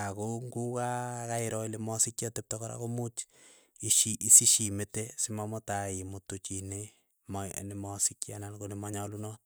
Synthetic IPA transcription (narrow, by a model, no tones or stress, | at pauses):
akoŋɡukakaeɾɔilemɔsikjatep̚tɔkɔɾa̰komut͡ʃ | iʃiʔisiʃimetesimamɔtaimotot͡ʃine | mɔ̰nemɔsikja̰nankonemɔɲalunɔt̚